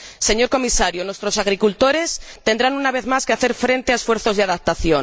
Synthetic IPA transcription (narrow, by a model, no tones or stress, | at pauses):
seɲo̞ɾko̞misaɾjonwest̪ɾo̞saɣ̞ɾikult̪o̞ɾe̞st̪e̞nd̪ɾanunaβe̞ðmaskeaθeɾfɾe̞nt̪eaesfwe̞ɾθo̞zðeaðap̚t̪aθjon